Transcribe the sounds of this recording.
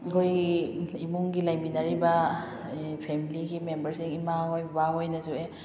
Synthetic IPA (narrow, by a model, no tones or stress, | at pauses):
ɡojimuŋɡilajminɐɾibɐ | pʰemiliɡimembɐɾsiŋimahojbbaɦojnɐzue